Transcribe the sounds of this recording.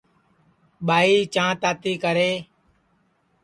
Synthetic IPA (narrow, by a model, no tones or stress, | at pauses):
ɓaːiːt͡ʃãːt̪aːt̪iːkəɾeː